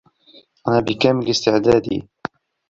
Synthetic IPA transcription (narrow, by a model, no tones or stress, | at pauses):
ʔanabɪkaːmɪlɪst̪ɪʕd̪aːd̪ḭ